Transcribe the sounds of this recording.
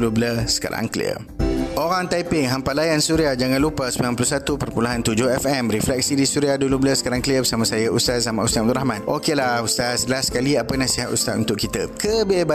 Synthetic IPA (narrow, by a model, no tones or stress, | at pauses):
lubləsə̥ka̰ɾa̰ŋklḭə̰ | oɾaŋt̪ajpɪŋɦampalajansuɾiad͡ʒaŋãnlupəsəmilanp̬ulusat̪upərpulaɦant̪ud͡ʒohɛfɛmɾiflɛk̚sidisuɾiadulubləsə̥kaɾaŋkliəbəsamãsajaust̪azamãʔust̪aʔm̚d̪uɾahmãnʔokelahust̪asəəlaskaliapənasiɦat̪ust̪at̪unt̪ʊʔkit̪əkəbiba